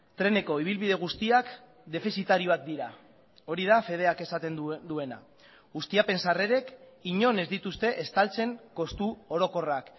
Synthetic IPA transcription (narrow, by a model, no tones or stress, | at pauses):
t̪ɾe̞ne̞ko̞iβilβiðe̞ɣ̞ust̪iak | d̪e̞fisit̪aɾio̞ak̚d̪iɾa | o̞ɾið̞afe̞ð̞e̞ake̞sat̪e̞nd̪ue̞na̰ | ɣust̪iape̞nsare̞ɾe̞k | iɲo̞ne̞zd̪it̪ust̪e̞ʔest̪alt͡se̞ŋko̞st̪uo̞ɾo̞ko̞rak